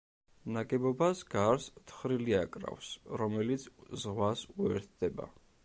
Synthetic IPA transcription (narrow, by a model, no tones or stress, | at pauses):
naɡɛbɔbasɡaɾst̪ʰχɾiliakʼɾa̰fsɾɔmɛlit̪sʰzʁwasuɛɾt̪̚ʰd̪̥ɛba̰